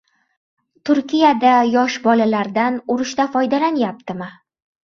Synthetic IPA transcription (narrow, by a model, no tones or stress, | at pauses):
t̪ʰʊɾkʲijad̪ajɒʃbɒlalaɾd̪anʊɾɪʃt̪afɒjd̪alanjap̚t̪ɪmɪ